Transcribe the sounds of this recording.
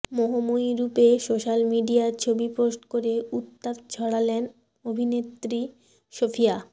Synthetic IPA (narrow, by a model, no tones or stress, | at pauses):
moɦomojɾupesoʃalmiɖijaɾt͡ɕʰobipɾosʈkoɾeut̪ːapt͡ɕʰɔɽalen | obʱinet̪ɾi | ʃofʰija